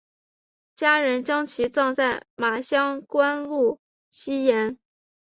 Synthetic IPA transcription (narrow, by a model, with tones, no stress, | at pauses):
t͡ɕja˥ɻə˧˥nt͡ɕjɑ˥ŋt͡ɕʰi˧˥t͡swɑ˥˧ŋt͡sa˥˩ɪma˨˩ɕjɑ˥ŋkwa˥nlu˥˩ | ɕi˥jɛ˧˥n